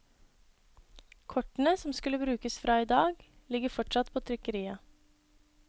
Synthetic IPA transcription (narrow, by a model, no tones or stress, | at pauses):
kʰɔʈn̩əsɔmskʉlːəbɾʉːkəsfɾʔɑːiːd̪ɑːɡ | lɪɡəfɔʈʂɑt̪pʰoːt̪ʰɾʏkəɾiːɑ